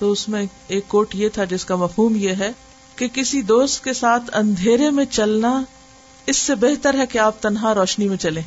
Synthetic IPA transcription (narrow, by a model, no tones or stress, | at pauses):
t̪oːʊsmẽ | eːkːoːʈjet̪ʰad͡ʒɪskamɐfɦuːmjeɦɛ | kekɪsid̪oːst̪̚kesaːt̪ʰɐ̰̃nd̪ʱeːɾemẽt͡ʃɐlna | ɪsːebɛɦt̪əɾɦɛkeaːp̚t̪ɐnɦaɾɔːʃnimẽt͡ʃɐlẽː